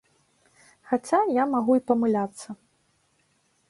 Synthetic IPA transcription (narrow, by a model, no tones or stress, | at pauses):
xat͡sʲajamaɣuipɐmɨlʲat̪sːɐ